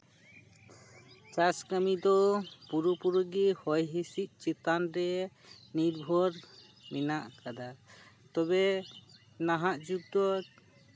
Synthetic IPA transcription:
t͡ʃaskamid̪ɔpuɾupuɾuɡihɔjɦisic̚ˀt͡ʃit̪anɾɛ | niɾbʱɔɾ | minaʔkad̪a | t̪ɔbɛ | naɦaʔd͡ʒuɡ̚d̪ɔ

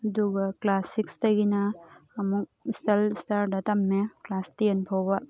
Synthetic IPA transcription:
ɐduɡɐklasikstɐɡinaːmuk̚istalistaɾdɐtamːeklastijenpʰawba

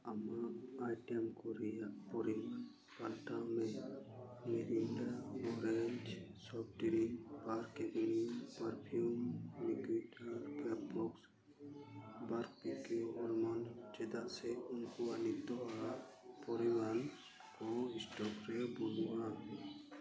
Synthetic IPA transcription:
amaʔːjʈɛmkɔɾɛjaʔpɔɾi | palʈamɛ | mɛʔilaɔɾɛɲd͡ʒsɔp̚ʰʈiɾibaɾkɛt̪̚inipaɾpʰiumniɡitaɾpap̚bɔks | baɾkpikeɔlmand͡ʒɛd̪aʔsɛunkɔanit̪ːɔaaʔ | pɔɾiwan | kɔɦisʈɔkɾɛbɔluwa

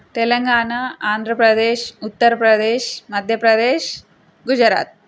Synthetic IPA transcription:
t̪elɐŋɡaːnaːaːnd̪ʱɾəpɾɐd̪eːʃut̪ːɐɾpɾɐd̪eːʃmɐd̪ʱjɐpɾɐd̪eːʃ | ɡud͡ʒɾa̰ːt̪̚

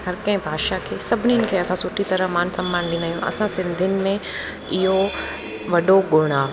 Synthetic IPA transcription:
ɦɐɾkɐ̃ɦɪ̃bʱaːʃakʰeːsɐbʱɪniʊnɪ̆kʰeːɐsãsʊʈʰit̪ɐɾəɦmaːnsɐ̃mbaːnlĩːnd̪aːijũɐ̰sãsɪ̃nd̪ʱənɪ̆mẽ | ɪɦo | ʋɐɗoɡʊɽ̃aː

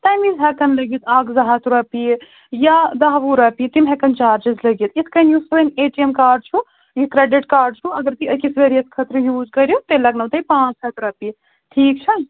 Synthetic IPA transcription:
ʈ̪ɐjmizɦɛkɐnlɐɡiːt̪aːɡzɐɦat̪uɾɐpi | jad̪ɐɦʋuɾɐpit̪imɦɛkɐnt͡ʃaːɾd͡ʒizlɐɡit̪it̪ʰkɐnjusɐʋɐneːʈiemkaːɖ̚t͡ʃʰu | jikɾeɖiʈkaːɾɖ̚t͡ʃʰuɐɡɐɾt̪iɐkisʋeːɾijɐskʰɐt̪ɾjuːzkɐɾjot̪elɐɡnɐwt̪ɐipãːt͡ʃɦɐt̪uɾɐpi | ʈʰiːk̚t͡ʃʰɐ

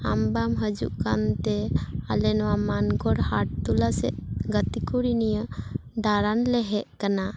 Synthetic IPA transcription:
ambamɦəd͡ʒṵʔkant̪ɛa̰lɛnɔwamanɡɔɽhaʈ̚t̪ulasɛ̰ʔ̪ɡət̪ikuɽinijəɖaɾanlɛɦɛʔkana

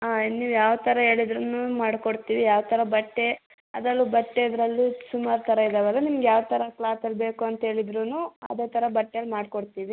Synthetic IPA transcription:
aːniːʋjaːʋt̪ʰɐɾɐɦe̞ːɭid̪ɾunumaːɽkoɽt̪iːʋijaːʋt̪ʰɐɾɐbɐʈːe | ɐd̪ɐlːubɐʈːeid̪ɐɾɐlːisumaːɾt̪ʰɐɾɐid̪aːʋɐlːɐnimɐɡejaːʋt̪ʰɐɾɐklaːsɐlːbe̞ːkuɐnt̪ɐɦe̞ːɭid̪ɾunuːɐ̰d̪eːt̪ʰɐɾɐbɐʈːejɐlːmaːɽkoɽt̪iːʋi

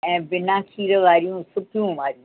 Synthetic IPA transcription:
ɛ̃ːbɪnãːkʰiːɾəʋaːɾijũːsʊpjũːʋaːɾijũ

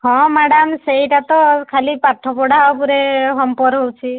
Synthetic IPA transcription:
ɦɔ̃maɽamsejʈat̪ɔkʰalipaʈʰːɔpɔɽapuɾeɦɔmpɔɾɦowt͡ʃʰi

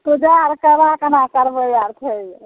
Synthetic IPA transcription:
t̪ud͡ʒaɾkəbakənakəɾbəjaɾt̪ʰej

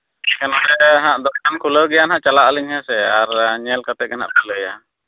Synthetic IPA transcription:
kanad̪ɛɦãʔd̪ɔkkankʰuləɡɛjanɦaʔt͡ʃalaʔəliŋhɛsɛaɾɲɛlkat̪ɛʔ̚kɛnhɦa̰ʔpələja̰

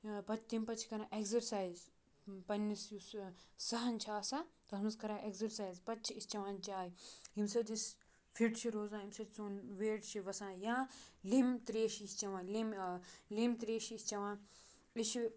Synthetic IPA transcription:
pɐt̪impɐt͡ʃʰi̥kɐɾãːʔeɡzɐɾsaːjz | pɐnːisjussɐɦɐnt͡ʃʰaːsat̪ɐɦɐmɐskɐɾãːʔeɡzɐɾsaːizpɐtːt͡ʃʰiist͡ʃɐʋãːnt͡ʃaːɦimsɐd͡ʒis | fʰiʈt͡ʃʰiɾoːzãːimsɐt͡soːnʋeːʈt͡ʃʰiʋɐsãːjãːlimt̪ɾeːʃist͡ʃɐʋãːlimlimt̪ɾeːʃisʲt͡ʃɐʋãː | iʃ

